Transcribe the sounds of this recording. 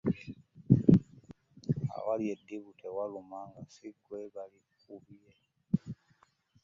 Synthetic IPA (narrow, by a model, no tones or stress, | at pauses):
a̰waljediβutʰewalumaːŋɡasiɡweβali | kuβije